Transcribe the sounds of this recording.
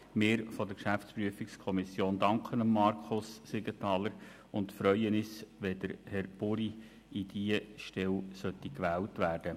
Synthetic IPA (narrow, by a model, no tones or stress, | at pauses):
mɪːɾfɔd̥əɾkʃæft͡spɾyəfikskʰɔmisjoːndɑŋkχənəmːɑɾkʰχʊsːeɡətɑːləɾ | ʊntfɾœʏənɪsʋɛd̥əɾhɛɾb̥ʊɾi | id̥iəʃtɛwsœt̪ːikʋæːltʋæːrd̥ə